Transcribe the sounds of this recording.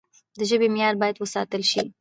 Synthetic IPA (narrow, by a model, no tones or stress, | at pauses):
d̪əʒəbemjɑɾbɑjad̪wəsɑ̰t̪əlʃi